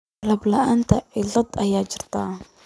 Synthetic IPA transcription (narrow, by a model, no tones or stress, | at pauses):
lablaʔant̪aiɮɨd̪ajad͡ʒɪɾt̪a